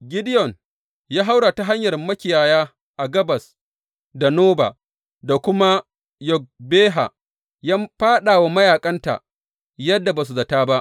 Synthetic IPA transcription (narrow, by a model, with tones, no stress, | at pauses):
ɡʲɪ˦dɪ˦jɔ˨n | jaː˦ɦa˦wɽaː˨ta˦ɦa˦ɲjɐ˨rmɐ˦kʲɪ˨jaː˨jaː˦ | ʔa˨ɡɐ˦bɐ˨s | da˨noː˦ba̰ː˨ | da˨kʷʊ˦ma˦ | jɔ˨k̚beː˦ɦa̰˨ | ja˦mɸaː˦ɗaː˨wa˦mɐ˦jaː˨kʼɐ˦nta̰˨ʔ | jɐ˦dːa˨baː˨s̬u˨zɐ˨taː˦ba˦ʔ